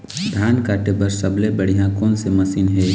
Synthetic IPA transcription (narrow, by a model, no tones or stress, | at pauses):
d̪ʱaːnkaːʈebəɾsɐblebəɽ̤ijãkoːnsemɐsiːnɦe